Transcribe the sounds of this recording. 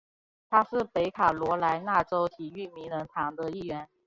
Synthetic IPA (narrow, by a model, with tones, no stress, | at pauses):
t̪ʰa˥ʂɻ̩˥˩pe˧˥ɪkʰa˨˩lwɔ˧˥la˧˥ɪna˥˩ʈ͡ʂo˥ʊt̪ʰi˧˥˦y˥˩mi˧˥ŋlə˧˦˥nt̪ʰɑ˧˥ŋd̪ə˧i˥˩ɥɛ˧˥n